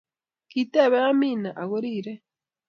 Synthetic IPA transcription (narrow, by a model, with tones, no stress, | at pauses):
ki˨te˦˨βe˦ja˦miː˨na˨ʔa˨ɣo˦ɾiːɾe˦